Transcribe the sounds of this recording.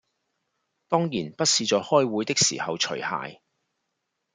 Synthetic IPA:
t̪ɔː˥ŋjiː˨˩npɐ˥t̚siː˧t͡sɔː˨˧hɔː˥jwu˨˥jt̪ɪ˥k̚sḭː˨˩hɐ˨wt͡ʃʰɵ˨˩ɥha̰ː˨j

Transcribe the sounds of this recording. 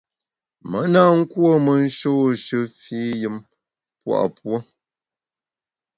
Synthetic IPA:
mə˨˦na˦˨ŋ̩˦kwo˦˨mə˨n̩˦ʃo˦˨ʃɨ˦fiː˦jɨ˦m | pwa̰˦˨ʔpwo˦

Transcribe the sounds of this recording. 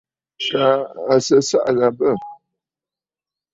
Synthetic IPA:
kaː˨˦˨sə˦sa̰˦ʔɣa˨bə˦˨

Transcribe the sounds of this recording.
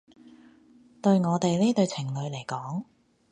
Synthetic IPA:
t̪ɵ˧ɥŋɔː˨˧t̪e˨jliː˥t̪ɵ˧ɥt͡sʰɪ˨˩ŋlɵ˨˧ɥle˨˩jkɔː˨˥ŋ

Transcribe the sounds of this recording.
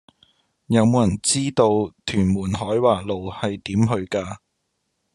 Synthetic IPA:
jɐ˨˧wmo˨˧wjɐ˨˩nt͡siː˥t̪o˧wt̪ʰyː˨˩nmuː˨˩nɦɔː˨˥jwaː˨lo˨whɐ˨jt̪iː˨˥mɦɵ˧ɥkaː˧

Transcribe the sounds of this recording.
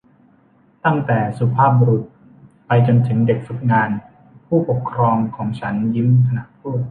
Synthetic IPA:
t̪a˥˩ŋt̪ɛː˨˩su˨˦pʰaː˥˩p̚bu˧ɾu˨˩t̪̚ | pa˧jt͡ɕo˧nt̪ʰɯ˩˦ŋde˨˩k̚fu˨˩t̪̚ŋaː˧n | pʰuː˥˩po˨˩kʰːɾɔː˧ŋkʰɔː˩˦ŋt͡ɕʰa˦˥nji˦˥mt̪ʰa˧na˧˥t̪ʰuː˥˩t̪̚

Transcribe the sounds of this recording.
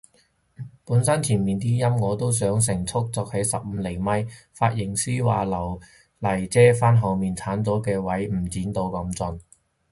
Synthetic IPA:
puː˨˥nsɐ˥nt̪ʰiː˨˩nmiː˨nt̪iː˥jɐ˥mŋɔː˨˧t̪o˥ws̬œː˨˥ŋs̬ɪ˨˩ŋt͡sʰʊ˥k̚t͡sɔː˧k̚hɐ˨˥jsɐ˨p̚m̩ː˨˧le˨˩jmɐ˥j | faː˧t̚jɪ˨˩ŋsiː˥waː˨lɐ˨˩w | lɐ˨˩jt͡sɛː˥faː˥nɦɐ˨˧wmiː˨nt͡sʰaː˨˥nt͡sɔː˨˥kɛː˧wɐ˨˥jm̩˨˩t͡siː˨˥nt̪o˧wkɐ˨˧˥mt͡sʊ˧n

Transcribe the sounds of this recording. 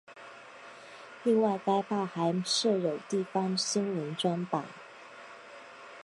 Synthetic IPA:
li˥˧ŋwa˥˩ɪka˥ɪpʰa˥˩xa˧˥ɪʂɻ̩˥˩jo˨˩ʊt̪i˥˩fɑ˥ŋɕi˥ŋli˧˥nʈ͡ʂwa˥npa˨˩˦n

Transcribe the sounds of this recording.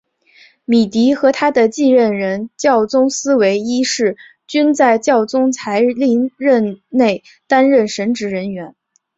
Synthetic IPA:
mi˨˩t̪i˧˥xɤ˧˥t̪ʰa˥d̪ə˨t͡ɕi˥˧ɻə˥˩nɻə˧˥nt͡ɕjɑ˥˩ʊt͡sʊ˥ŋsɹ̩˥we˧˥ɪi˥ʂɻ̩˥˩ | t͡ɕy˥nt͡sa˥˧ɪt͡ɕjɑ˥˩ʊt͡sʊ˥ŋt͡sʰa˧˥ɪli˧˥ŋɻə˥˧nne˥˩ɪ | t̪a˥nɻə˥˩nʂə˧˥nʈ͡ʂɻ̩˧˥ɻə˧˥nɥɛ˧˥n

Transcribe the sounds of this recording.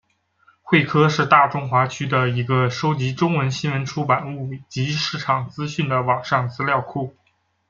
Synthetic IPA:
xwe˥˩ɪkʰɤ˥ʂɻ̩˥˧t̪a˥˩ʈ͡ʂʊ˥ŋxwa˧˥t͡ɕʰy˥d̪ə˨i˧˥ɡə˧ʂo˥ʊt͡ɕi˧˥ʈ͡ʂʊ˥ŋwə˧˥nɕi˥nwə˧˥nʈ͡ʂʰu˥pa˨˩nu˥˩t͡ɕi˧˥ʂɻ̩˥˩ʈ͡ʂʰɑ˨˩ŋt͡sɹ̩˥ɕy˥˩nd̪ə˩wɑ˨˩ŋʂɑ˥˩ŋt͡sɹ̩˥ljɑ˥˧ʊkʰu˥˩

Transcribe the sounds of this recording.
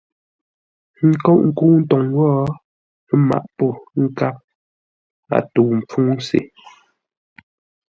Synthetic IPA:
ŋ̩˦kɔ˦ʔŋ̩˦˨ku˦n̩˦tɔ˨ŋwɔː˦ | ma̰˨ʔpɔ˦˨˦ŋ̩˦ka˦p̚ | a̰˨tu˨m˨p͡fu˦n̩˦sḛ˨

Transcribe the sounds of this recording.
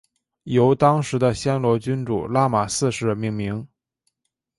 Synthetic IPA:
jo˧˥ʊt̪ɑ˥ŋʂɻ̩˧˥d̪ə˧ɕjɛ˥nlwɔ˧˥t͡ɕy˥nʈ͡ʂṵ˨˩la˥ma˨˩sɹ̩˥˧ʂɻ̩˧˥mi˧˥ŋmi˧˥ŋ

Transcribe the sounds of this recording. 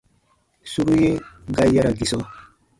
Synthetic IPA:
su˦ɾu˦je˦ɡa˦i˦ja˦ɾa˨ɡi˨sɔ˦

